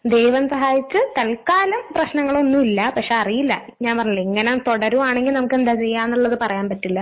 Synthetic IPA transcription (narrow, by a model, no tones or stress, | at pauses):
d̪ejʋɐmsɐɦaːjit͡ɕːɨt̪ɐlkaːlɐmprɐɕnɐŋːɐɭo̞nːumilːɐpɐkʂeɐrijilːɐ | ɲaːnpɐrɐɲːulːɐeŋːɐnemt̪oɽɐɾuaːɳeŋɡilnɐmukːend̪aːt͡ɕe̞jːaːnːuɭːɐðɨpɐrɐjaːnpɐtːilːɐ